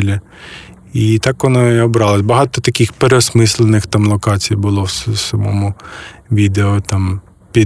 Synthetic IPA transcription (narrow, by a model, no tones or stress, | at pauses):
lʲɐ | it̪ɑkʋɔnɔiɔbɾɑlˠɐsʲbɐɦɑt̪ɔt̪ɐkʲixpeɾeɔsmɪsʲlˠenɪxt̪ɑmlˠɔkɑt͡sʲijbʊlˠɔwssɐmɔ̰mʊʋʲid̪eɔt̪ɑm | pʲi